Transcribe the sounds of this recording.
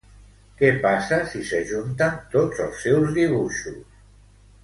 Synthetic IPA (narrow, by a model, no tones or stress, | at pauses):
kɛpasasisəʒunt̪ant̪od͡zəlˠsːɛwzðiβ̞uʃus